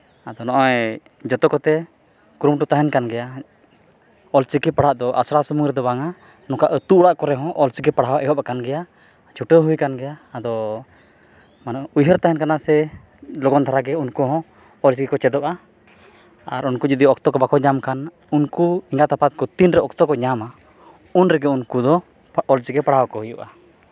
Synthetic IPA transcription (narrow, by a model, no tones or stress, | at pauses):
ad̪ɔnɔʔɔj | d͡ʒɔt̪ɔkɔt̪ɛ | kɾumʈut̪aɦɛnkanɡɛja | ɔlt͡ʃikipaɽ̤aʔd̪ɔʔa̰sɾasumuŋɾɛd̪ɔbaŋa | nɔ̃kaʔət̪uʔɽaʔkɔɾɛɦɔ̃ʔɔlt͡ʃikipaɽ̤awaʔɛɦɔp̚akanɡɛja | t͡ʃʰuʈəɦujkanɡɛjaːd̪ɔ | manaujɦəɾt̪aɦɛnkanasɛ | lɔɡɔnt̪ʰaɾaɡɛunkɔɦɔ̃ | ɔlt͡ʃikikɔt͡ʃɛd̪ɔʔa | aɾunkud͡ʒud̪iɔɔk̚t̪ɔkɔbakʰɔɲamkan | unkuiŋɡaʔt̪apat̪̚kɔt̪inɾɛɔk̚t̪ɔkɔɲama | unɾɛɡɛunkud̪ɔ | ɔlt͡ʃikɛpaɽ̤awakɔhujuʔa